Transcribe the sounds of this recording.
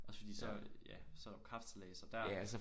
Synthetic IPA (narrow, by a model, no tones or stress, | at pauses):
ʔɒ̽sə̥fɒd̥ḭːsɒjæsɒ̽æɾʊkʰʁɑ̈fd̥əleːsɐd̥æɐ̰ælsə